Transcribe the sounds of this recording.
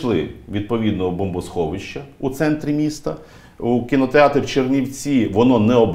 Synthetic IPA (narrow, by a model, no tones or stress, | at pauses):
lˠɪʋʲid̪̚pɔʋʲid̪̚nɔɦɔbɔmbɔsxɔʋɪʃt͡ʃːɐut̪sɛnt̪ɾʲimʲist̪ɐ̰ | ukʲinɔt̪eɑt̪ɾʲiwt͡ʃernʲiwt͡sʲiʋɔnɔnɛɔb